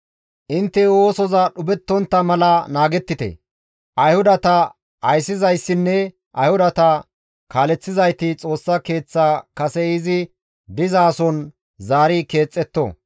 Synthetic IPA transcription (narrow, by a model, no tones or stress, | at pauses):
ʔɪnt̪ːɛwo̞ːsɔzɐɗʊbɛt̪ːɔnt̪ːɐmɐlɐnaːɡɛt̪ːɪt̪ɛ̰ | ʔɐjhʊd̪ɐt̪ɐ | ɐjsːɪzɐjsːɪnːɛ | ʔɐjhʊd̪ɐt̪ɐ | kaːlɛt͡sːɪzɐjt̪ɪt͡sʼo̞ːsːɐke̞ːt͡sːaːkɐsɛɪzɪ | d̪ɪzaːsɔn | zaːɾike̞ːt͡sʼːɛt̪ːɔ̰